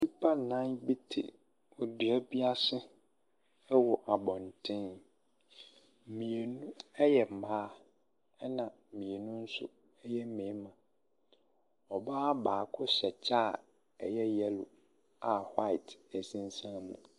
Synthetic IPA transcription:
i˦pʰa˦nã˦nbi˦tʰɪ̰˨ | o˨di˨ɛ˦bi˦a˦sɪ˦ | wɔ˨ʔa˨bɔ̃˨n˨tʰɪ̃˦n | m̩˨mĩ˨e˨nũ˦ɛ˦jɛ˨m̩˨baː˦ | ɛ˦nã˨mĩ˨e˨nũ˦n̩˦sʊ̰˦ | ɛ˦jɛ˦m̩˦mẽ˨˦mã˨ | ɔ˨baː˦baː˨kʰʊ˦sɛ˨t͡ɕʰa˦˨ | ɛ˨jɛ˦jɛ˦lʊ̰˨ | a˨ha˦ɪ˨tʰæ˨sĩ˦n˦sã˦mṵ̃˨

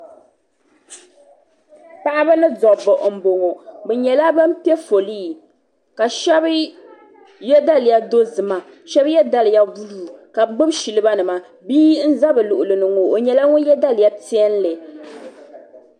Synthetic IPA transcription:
pa˦ʔa˦bɨ˦nɨ˦zɔ˨bɔ˨ʔm̩˨bo˨ŋo˨bɛ˨ɲɛ˨la˦ba˦m˦pi˦ɛ˦fo˨liː˦˨ | ka˨ʃɛ˦b | jɛ˦da˦lɪ˨ja˦do˦zɨ˨ma˨ | ʃɛ˦bjɛ˦da˦lɨ˨ja˦ɡu˦luː˦˨ka˨ɡ͡bɨ˦bʃi˨lɨ˦ba˦nɨ˨ma˨ | biː˦n̩˦za˦bɨ˨lʊ˨ʔʊ˨lɨ˨nɨ˨ŋo˨o˨ɲɛ˨la˦ŋʊ˦jɛ˦da˦lɪ˨ja˦ti˦ɛ˦n˦lɨ˨

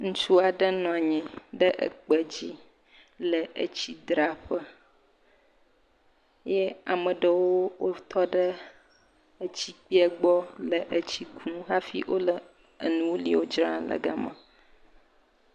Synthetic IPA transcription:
ŋũ˦t͡ʃu˦a˨ɖə˦nɔ̃˨a˨ɲɛ̃˨ɖə˦ʔə̰˨k͡pə˨d͡ʑi˦ | lə˨ʔə̰˨t͡ɕi˦d̪ɾa˨ɸə˦ | jɛ˦a˨mə˨ɖə˨woo˦wo˦t̪ʰɔ˦ɖə˦ | ə˦t͡ɕi˦k͡pi˦ɛ˦ɡ͡bɔ˦lə˨ʔə˦t͡ɕi˦kʰnũ˦ɣa˦fḭ˦ʔo˦lə˨ | ə̰˨nũ˦wo˦lḭ˦wo˦d͡ʒɾã˦lə̰˨ɡa̰˨mə̰̃˨

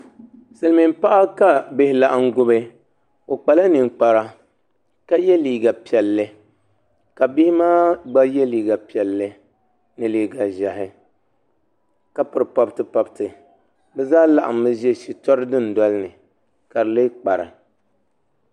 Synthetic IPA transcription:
sɨ˨lmi˨m˦pa˦ʔa˦ka˦˨be˨hɪ˨la˨ʔŋ̩˦ɡʊ˦bɨ˦ | o˨k͡pa˨la˦nɨ˨ŋ˨k͡pa˨ɾa˦ | ka˦jɛ˦liː˨ɡa˨pi˨ɛ˨lːɨ˦ | ka˨bi˦maː˦ɡ͡ba˦jɛ˦liː˨ɡa˨pi˨ɛ˨lːɨ˦ | nɨ˨liː˨ɡa˨ʒa˨hɪ˦ | ka˦pɨ˨ɾpɔ˦btɨ˨pɔ˨btɨ˨ | bɛ˦zaː˦la˨ʔa̰˨mːɨ˦ʒɛ˦ʃi˨tɔ˦ɾɨ˦dɨ˦n˨dɔ˦lɨ˦nɨ˨ | ka˨ɾɨ˨le˦k͡pa˨ɾɨ̰˨

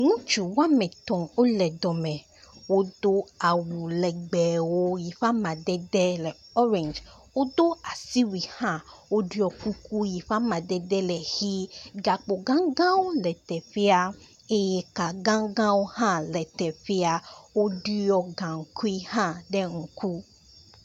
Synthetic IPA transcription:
ŋũ˦t͡ʃu˨wa˦mɛ̃˨t̪ɔ̃˨o˦lɛ˨d̪ɔ˨mɛ̃˨ | wo˦d̪̥o˦a˨wu˨lɛ˨ɡ͡bɛ˨wo˦ji˨fa˦mã˨d̪ɛ˦d̪ɛ˦lɛ˨ | ɔ˦ɾɛ̃˨nd͡ʒ | wo˦d̪o˦a˨si˦wi˨hã˦wo˦ɖu˦ɔ˨ku˦ku˦ji˨ɸa˦mã˨d̪ɛ˨d̪ɛ˦lɛ˨xi˦ɡa˨k͡po˨ɡã˦ŋɡã˦wo˦lɛ˨t̪ɛ˨fi˦a˦ | e˦jɛ˨ka˨ɡã˦ɡã˦wo˦hã˦lɛ˨t̪ɛ˨fi˦a˦wo˦ɖu˦jɔ˦ɡã˨ŋ̩˨kʰu˦i˦hã˦ɖɛ˦ŋ̩˨ku˦

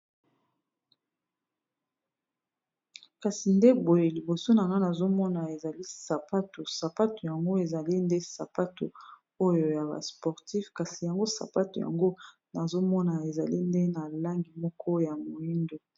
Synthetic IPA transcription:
ka˨si˨nde˦bo˨je˨li˨bo˨so˦na˨na˦na˨zo˦mɔ˦na˨e˨za˨li˦sa˨pa˦to˨sa˨pa˦to˨ja˨ŋɡo˦e˨za˨li˦nde˦sa̰˨pa˦to̰˨ | o˦jo˨ja˨ba̰˨spɔ˨ʁti˦fka˨si˨ja˨ŋɡo˦sa̰˨pa˦to˨ja̰˨ŋɡo˦ | na˨zo˦mɔ˦na˨e˨za˨li˦nde˦na˨la˦ŋɡi˨mɔ˦kʰɔ˦ja˨mo˨i˦ndo˨

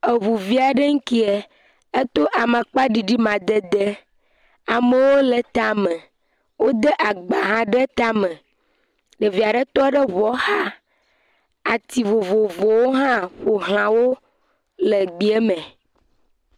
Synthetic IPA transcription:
e˨vu˨vi˦a˨ɖə˦ŋ̩˦ki˦e˨ | e˦t̪o˦ʔa˨mə̃˨k͡pa˦ɖi˨ɖi˦mã˨d̪e˦d̪e˦ | a˨mə̃˦wo˦lə˨t̪a˨mẽ˨ | wo˦d̪e˦ʔa˨ɡ͡ba˨ɦã˦ɖe˦t̪a˦mə̃˨ | ɖe˨vi˨a˨ɖə˦t̪ɔ˦ɖə˦βɔ˨˦xa˦ | a˨t̪i˨vo˨vo˨vo˨wo˦ɦã˦ɸo˨ɦl̃ã˨wo˦ | lə˨ɡ͡bi˨e˦mẽ˨

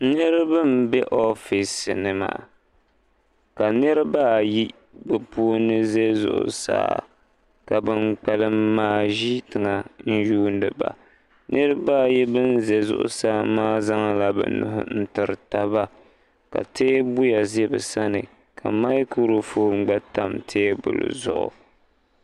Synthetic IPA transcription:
nɨ˦ɾɨ˦bɨ˦mbɛ˦ʔɔ˦fi˨snɨ˨ma̰ː˨ | ka˨nɨ˦ɾɨ˦baː˦˨ji˦ | bɛ˨pu˦nɨ˦ze˦zʊ̰˨ʔʊ̰˨sa̰ː˦ | ka˨bɨ˦mk͡pɛ˨lɨ˦mːaː˦ʒi˦tɨ˨ŋa˨n̩˦ʒuː˦n˦dɨ˨ba̰˨ | nʔɨ˦ɾɨ˦baː˦˨ji˦bɨ˦nze˨zʊ̰˦˨ʔʊ̰˦saː˦maː˦za˦ŋla˦bɛ̰˨nʊ̰˨ɦʊ̰˦n̩˦tɨ˨ɾɨ˨ta˦ba˦ | ka̰˨tʰeː˦bʊ˦ja˨zɛ˦bɨ˨sa˦nɨ˨ | kʰa˨ma˦ku˦ɾɨ˨foː˦ŋ͡m̩˦˨ɡ͡bɛ˦ta˦mtʰeː˦bʊ̰˨lɨ̰˨zʊ˦˨ʔʊ̰˨

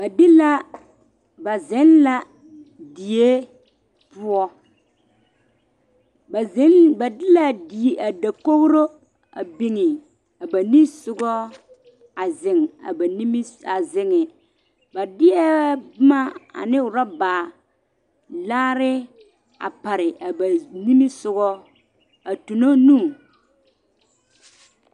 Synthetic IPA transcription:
ba˨dɪ˦la˦ | ba˨zɪ˨˦nla˨ | di˨e˦ | pʊ˦ɔ˦˨˦ | nba˨dɪ˦la˦˨di˨a˨da˨ko˦ɣɾo˦ | a̰˨bi˨ŋɪ˨ | a˨ba˨nĩ˦sʊ˦ɡɔ˦ | a˨zɪ˨ŋa̰˨ba˨ni˦m˦a˨zɪ˨ŋɪ˨ | ba˨dɪ˦ɛ˦bma˦a̰˨nɪ˦ʊ˨ɾa˦baː˨ | laː˦ɾɪ˦ | a̰˨pa˨ɾɪ˨ʔa˨ba˨ni˦mi˦sʊ˨ɣɔ˦ | a˨tu˨no˦nũː˦˨

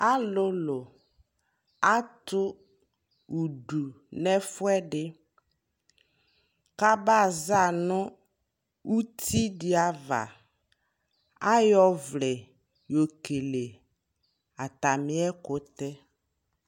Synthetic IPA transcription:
a˦lʊ˦lʊ˨ | a˦tʊ˦ | u˨ɖu˨ | nɛ˦fʊ˦ɛ˦dɪ˦ | ka˦ba˦˨za˦˨nʊ̃˦ | u˦t̪ʰi˦dɪ˨a˨va̰˨ | a˦jɔ˦vlɛ˨ | jo˨ke˨le˨ | a˨t̪a˨mɪ˦ɛ˦kʊ˨˦t̪ɛ˦

